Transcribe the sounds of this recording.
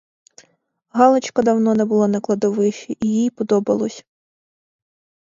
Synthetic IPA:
ɦɑlˠɔt͡ʃkɐd̪ɐwnɔnɛbʊlˠɔnɐklˠɐd̪ɔʋɪʃɛʔijijpɔd̪ɔbɐlˠɔsʲ

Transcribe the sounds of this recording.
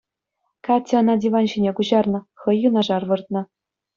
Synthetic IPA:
kɑtʲːɤ̆nɑdʲiʋɑnʑinʲekuʑɑrnɤ̆χɤ̆jːunɑʐɑrʋɤ̆rt̪̚nɤ̆

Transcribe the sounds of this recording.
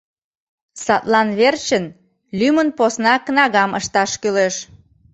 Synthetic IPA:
sɑt̪lɑnβert͡ɕən | lymənposnɑkənɑɣɑməʃt̪ɑʃkyleʃ

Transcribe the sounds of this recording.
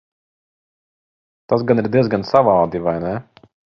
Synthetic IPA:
t̪asɡaniɾd̪iɛzɡansavaːd̪ivajnɛ

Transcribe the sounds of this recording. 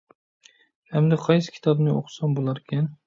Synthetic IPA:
hamd̪aqʰɑjsɪ̥kʲʰi̥t̪ʰɒbnɪo̰qsɒnbolˠaɾkʲʰan

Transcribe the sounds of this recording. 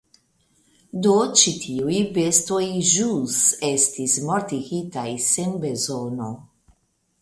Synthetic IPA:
do̞t͡ʃitʰiujbe̞sto̞jʒuse̞stismoɾtiɡitajsenbe̞zono̞̰

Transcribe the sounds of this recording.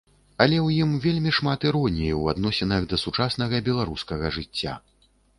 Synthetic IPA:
ɐlʲɛwjimvʲelʲmʲiʂmat̪ɨɾɔnʲijiwa̰d̪nɔsʲɛnɐɣd̪ɐsut͡ʂasnɐɣɐbʲɛlˠaɾuskɐɣɐʐɨt͡sʲːa̰

